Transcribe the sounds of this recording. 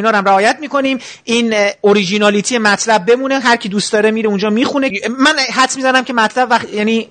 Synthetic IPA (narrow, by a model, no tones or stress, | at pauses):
nɒːɾæmɾæɒːjæt̪miːko̞niːm | ʔiːnoɾid͡ʒinɒːlit̪ʰijemæt̪ʰlæb̚ːe̞muneɦæɾcʰid̪uːst̪d̪ɒːɾemiːɾeund͡ʒɒːmiːxune̞mænɦæt̪smizænæmcʰe̞mæt̪ʰlæbvæχjæniː